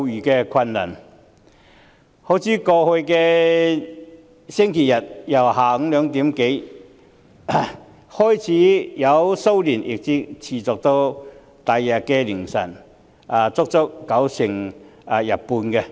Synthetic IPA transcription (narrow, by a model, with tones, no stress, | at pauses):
jyː˨˩kɛː˧kʰɐ˧nlɐ̰ː˨˩n | ho˨˥wt͡sʰiː˨˥kɔː˧hɵ˧ɥkɛː˧ | sɪ˥ŋkʰe˨˩jɐ˨t̚jɐ˨˩whaː˨˥lœː˨˧ŋt̪iː˨˥mke˨˥j | hɔː˥jt͡sʰiː˨˥jɐ˨˧wso˥wliː˨˩njʔɪ̰˨k̚t͡siː˨˥t͡sʰiː˨t͡sɔ˨k̚t̪o˧w | t̪ɐ˨jːɐ˨kɛː˧lɪ˨˩ŋsɐ̰˨˩n | a˨˩t͡sʊ˥k̚t͡sʊ˥k̚ːɐ˨˥wsɪ˨˩ŋa˨˧jɐ˨˩t̚puː˧nkɛ˧